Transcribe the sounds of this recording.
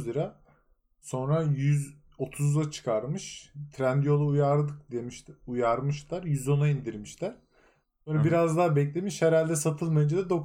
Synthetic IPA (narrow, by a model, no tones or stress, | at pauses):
ziɾa | so̞nɾajyz | o̞t̪ʰuzlˠat͡ʃʰɯ̥kʰaɾmɯʃt̪ʰɾænd̪ijo̞lˠaujaɾd̪ɯk̚d̪emiʃujaɾmɯʃlaɾjyzo̞naind̪iɾmiʃlæɾ̥ | sonɾabiɾazd̪aːbɛclʲe̞miʃhɛɾalʲd̪ɛsat̪ʰɯlˠmajɯd͡ʒad̪ad̪o̞k